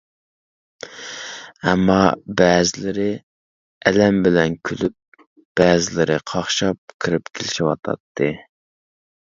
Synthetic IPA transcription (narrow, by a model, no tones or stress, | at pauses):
ɛmːɑbɛːzɪlɪɾɪ | ɛlɛmbɪlɛnkʲʰylyp̚ | b̥ɛːzɪlɪɾɪqʰɑχʃɑp̚kʰɨɾɨpkʲʰelɪʃiwɑt̪ʰɑ̰t̪ʰːɨ